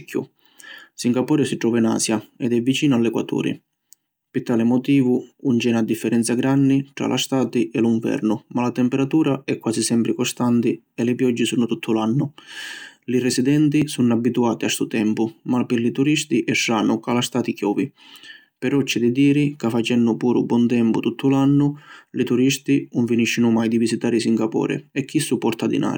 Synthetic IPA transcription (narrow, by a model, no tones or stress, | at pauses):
kʰʲːʊ̰ | siŋɡapɔːɾɪsiʈ̪ɾɔːvina̰ːsjaɛd̪ɛvːit͡ʃiːnʊalːɛkwa̰t̪ṵːɾḭ | pɪɾt̪ːaːlɪmɔt̪iːvʊunt͡ʃɛːnad̪ːifːɛɾɛnt̪saɡɾanːiʈ̪ɾa̰lʔa̰st̪aːt̪iʔɛluɱvɛ̰ɾnʊmalat̪ɛmpɛɾat̪uːɾaɛkːwaːsisɛmpɾɪkɔst̪ant̪i | ɛlɪpjɔd͡ʒːɪsuːnʊt̪ut̪ʰːʊlanːʊ | lirɪsid̪ɛnt̪isunabːit̪uaːt̪iast̪ut̪ɛmpʊmapɪɾlit̪uɾist̪iʔɛʃːaːnʊkalast̪aːt̪ikjɔːvi | pɛɾɔt͡ʃːɪd̪id̪iːɾɪkafːat͡ʃɛnːʊpuːɾʊ̰bwɔnt̪ɛmpʊt̪ut̪ʰːʊlanːʊlit̪uɾist̪inʊɱfiniʃːɪnʊmajd̪ivisit̪aːɾisiŋɡapɔ̰ːɾɪ̰ɛk̟ːisːupːɔɾt̪ad̪ḭnʔa̰ːɾi